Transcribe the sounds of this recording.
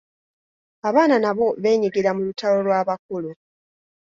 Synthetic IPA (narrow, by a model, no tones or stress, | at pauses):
aβaːnanaβo̞βe̞ːɲiɡiɾamulutalo̞lwaːβak̚ulu